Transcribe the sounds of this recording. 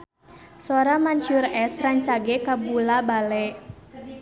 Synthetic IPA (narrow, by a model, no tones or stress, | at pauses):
soɾamaɲʃurɛsraɲt͡ʃaɡɛkabulabalɛʔ